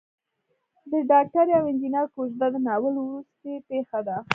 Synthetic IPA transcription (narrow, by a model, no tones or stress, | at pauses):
d̪əɖɑk̚ʈaɾjawɪnd͡ʒ̪inɑɾkoʃd̪ad̪ənɑwəlwɾust̪epexad̪a